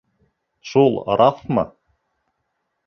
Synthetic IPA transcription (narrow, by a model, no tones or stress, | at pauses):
ʃul̰ˠɾʔɑθmɤ̰